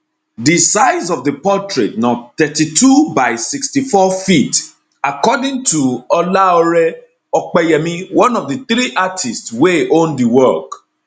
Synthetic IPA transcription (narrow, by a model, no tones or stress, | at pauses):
disaɪzɔvdəpɔtɹet̚nɔt̪ɛtitubaɪsikstifɔfit | akɔdĩŋtuɔlaɔɹɛ | ɔk͡pɛjɛmĩwɔ̃nɔvdəθɾiʔatʰistsweʔõndiwɔk